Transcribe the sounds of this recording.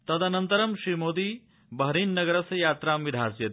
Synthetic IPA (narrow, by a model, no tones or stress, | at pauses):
t̪ɐd̪ɐnɐnt̪ɐɾɐmʃɾiːmoːd̪iː | bɐɦɾiːnːɐɡɐɾɐsɐjaːt̪ɾaːmʋid̪ʱaːsjɐt̪